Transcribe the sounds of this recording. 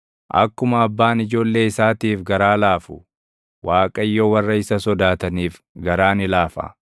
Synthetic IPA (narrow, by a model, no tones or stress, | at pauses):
ʔɐ̰kːʊmɐːbːaːnɪd͡ʒo̞ːlːe̞ːɪsaːt̪iːfɡɐɾaːlaːfʊ | waːkʼɐjːoːwɐrːɐɪsɐsɔd̪aːt̪ɐniːf | ɡɐɾaːnɪlaːfɐ̰